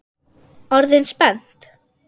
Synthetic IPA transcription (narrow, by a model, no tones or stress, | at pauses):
ɔɾðɪnspɛnt̪